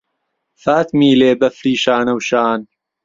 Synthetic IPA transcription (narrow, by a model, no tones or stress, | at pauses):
faːt̪miːleːbɐfɾiːʃaːnɐwʃaːn